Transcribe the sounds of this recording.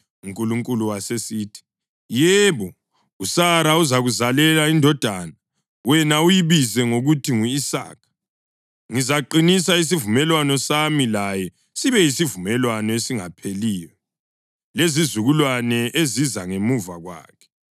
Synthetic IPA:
uŋkʼuluŋkʼuluwasesiːtʰi̥ | jɛβɔ | usaɾauzaɣuzalɛlaindʱɔd̥ʱana | wɛnaujiβizɛŋoɣutʰiŋuisa̰ːkʰḁ | ŋizaǃinisais̬ivumɛlwanɔsamilajɛ | siβɛjisivumɛlwanɔesiŋapʰeliːjɛ | lezizuɣulwanɛʔezizaŋemuvaɣwa̰ːkʰɛ̥

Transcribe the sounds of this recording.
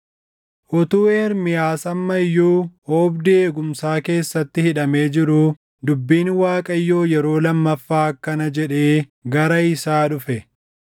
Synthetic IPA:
ʔɔt̪uːe̞ːɾmɪjaːsɐmːɐjːuːoːbd̪ɪeːɡʊmsaːke̞ːsːɐt̪ːɪhɪᶑɐme̞ːd͡ʒɪɾuː | d̪ʊbːiːnwaːkʼɐjːo̞ːjɛɾo̞ːlɐmːɐfːaːkːɐnɐd͡ʒɛᶑe̞ːɡɐɾɐɪsaːᶑʊfɛ

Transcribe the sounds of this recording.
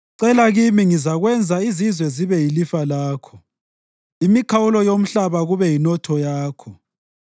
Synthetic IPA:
ǀɛlaɣimiŋizaɣwɛnd͡zʱaizizwɛziβɛjilifalaːkʰɔ | imikʰawulɔjom̩ɬaβaɣuβɛjinɔtʰɔjaːkʰɔ

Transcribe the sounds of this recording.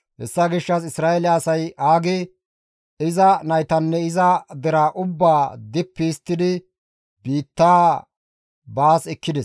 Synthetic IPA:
hɛ̰sːɐɡɪʃːɐs̬ɪsɾaːɛlɛɐsɐjʔaːɡɪ | ɪzɐnɐjt̪ɐnːɛɪzɐd̪ɛɾaːʔʊbːaːd̪ɪpːist̪ːɪd̪ɪ | biːt̪ːaː | baːsɛkːɪd̪ɛs

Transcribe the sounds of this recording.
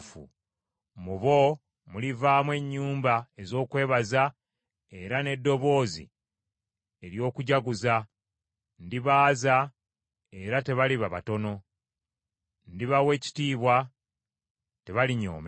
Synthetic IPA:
fṵ | muβo̞ | mulivaːmwe̞ɲːuːmbae̞zo̞ːkwe̞ːβaza | e̞ɾane̞dːo̞βo̞ːzḭ | e̞ɾjo̞ːkuɟaɡuza | ndiβaːza | e̞ɾate̞βaliβaβa̰to̞no̞ | ndiβawe̞ːci̥tiːβwa | te̞βaliɲo̞̰ːme

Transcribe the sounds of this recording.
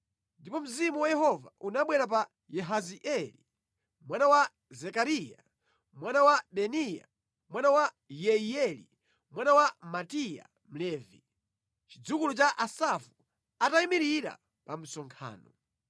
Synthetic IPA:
ndipɔm̩zimuwajɛɦɔva̰ʔunaɓwɛɾap̬a | jɛɦaziʔɛli | mwanawa | zɛkaɾija | mwanawaɓɛnija̰ | mwanawa | jɛiɛlḭ | mwanawamatija̰ | m̩lɛːvi | t͡ʃid͡zukulut͡ʃaʔasafu | ataimiɾiɾa̰ | pam̩sɔŋkʰa̰ːnɔ

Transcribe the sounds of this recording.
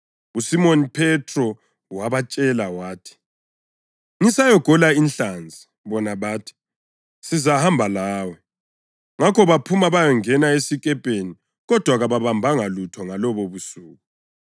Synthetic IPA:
usimonipʰɛtʰʼrɔ | waβat͡ʃʼɛlawaːtʰi̥ | ŋisajɔɡ̥ʱɔlainɬand͡zʱi | βɔnaβaːtʰi̥ | sizahambʱalaːwɛ | ŋakʰɔβapʰumaβajɔŋɛnaesikʼɛpʼeni | ɣɔd̥ʱwaɣaβaβambʱaŋalutʰɔŋalɔβɔβusuːɣu

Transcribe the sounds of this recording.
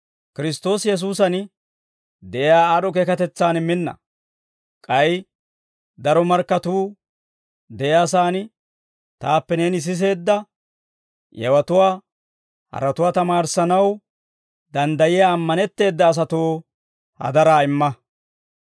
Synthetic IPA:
kɪɾɪst̪o̞ːsjɛs̬uːsɐn | d̪ɛʔjaːaːɗɔk̬eːkɐt̪ɛt͡sːaːnɪmːɪnːɐ̰ | kʼɐj | d̪ɐɾɔmɐɾkːɐt̪uː | d̪ɛjjaːsaːn | t̪aːpːɛneːnɪs̬ɪs̬e̞ːd̪ːɐ | jɛ̰wɐt̪ʊwaː | hɐ̰ɾɐt̪ʊwaːt̪ɐmaːɾsɐnɐw | d̪ɐnd̪ɐjɪjaːmːɐnɛt̪ːe̞ːd̪ːɐːs̬ɐt̪oː | hɐ̰d̪ɐɾaːɪmːɐ

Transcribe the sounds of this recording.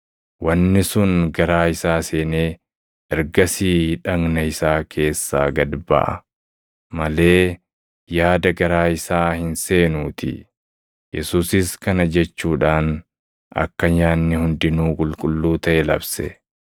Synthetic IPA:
wɐnːɪsʊnɡɐɾaːɪsaːse̞ːneː | ɛɾɡɐsiːᶑɐŋnɐɪsaːkʰe̞ːsːaːɡɐd̪bɐ̰ʔɐ̰ | mɐle̞ː | jaːd̪ɐɡɐɾaːɪsaːhɪnse̞ːnuːt̪ʰɪ̰ | jɛsuːsɪskɐnɐd͡ʒɛt͡ʃːuːᶑaːn | ʔɐ̰kːɐɲaːnːɪhʊnd̪ɪnuːkʼʊlkʼʊlːuːt̪ɐʔɛlɐbsɛ̰

